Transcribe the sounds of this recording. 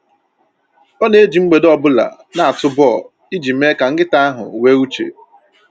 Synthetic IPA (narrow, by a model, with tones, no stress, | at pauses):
ɔ˦ne˦e˦d͡ʒi˨ŋ͡m̩˦ɡ͡be˨dɔ˨bʊ˦la̰˨ | na˨a˨tʊ˦bɔ˦˨ | i˦d͡ʒi˨˦e˦ka˨ŋ̩˦ɡɪ˦ta˦a˦ɦʊ̰˨we˦u˦t͡ʃḛ˨